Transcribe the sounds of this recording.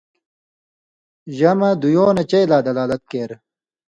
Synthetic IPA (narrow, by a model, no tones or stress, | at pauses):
ʑɐmɐd̪ujoːnɐt͡ɕɐjlaːd̪ɐlaːlɐt̪̚keːɾ